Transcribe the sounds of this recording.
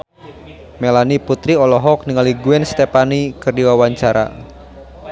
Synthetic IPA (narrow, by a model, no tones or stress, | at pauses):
melaniput̪ɾiɔlɔɦɔk̚niŋaliɡuɛnst̪epanikɨrdiwawaɲt͡ʃaɾa̰